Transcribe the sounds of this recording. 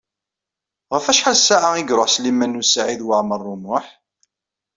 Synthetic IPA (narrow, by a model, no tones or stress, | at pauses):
ʁəfæʃħalsaʕaiɡɾoħslimænusaʕiðwaʕmərˤːʊmʊħ